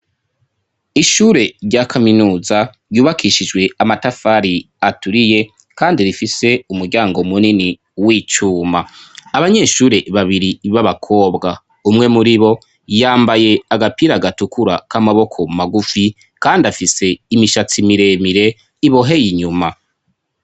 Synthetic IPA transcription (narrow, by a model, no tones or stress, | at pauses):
iʃuɾe̞ɾɟakʰaminuːzaɾjuːβakʰiʃid͡ʒɡwe̞amatafaɾi | atuɾije̞ | kaːndiɾifise̞umuɾɟaːŋɡo̞munini | wiːt͡ʃuːmaːβaɲe̞ʃuːɾe̞βaβiɾiβaβakʰo̞ːbɡa | umŋe̞muɾiβo̞ | jaːmbaje̞aɡapiːɾaɡatukʰuɾakamaβo̞kʰo̞maɡufi | kaːndiafise̞imiʃat͡simiɾe̞miɾe̞ | iβo̞ɦe̞jiɲuma